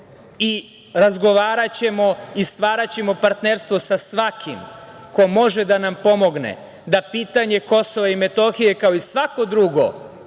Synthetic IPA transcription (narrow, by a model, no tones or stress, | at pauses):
i | ɾazɡo̞ʋaːɾat͡ɕe̞mo̞ist̪ʋaːɾat͡ɕe̞mo̞paɾt̪neɾst̪vʋo̞sasʋakʰḭm | ko̞mo̞ʒe̞d̪anampo̞mo̞ɡnḛ | d̪apiːt̪aɲe̞ko̞so̞ʋaime̞t̪o̞xijekao̞isʋako̞d̪ɾuɡo̞̰